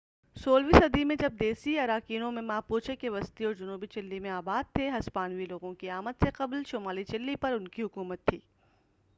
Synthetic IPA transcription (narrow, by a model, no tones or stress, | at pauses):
soːlʋisɐd̪imẽd͡ʒɐb̚d̪eːsiɐɾaːkiːnõmẽmaːpoːt͡ʃʰekeʋɐst̪iɔːɾd͡ʒʊnuːbit͡ʃɪlːimẽaːbaːd̪̚t̪ʰeɦɐspaːnwiloːɡõkiaːməd̪seqɐblʃoːmaːlit͡ʃɪlːipɐɾʊnkiɦʊkuːmət̪ʰːiː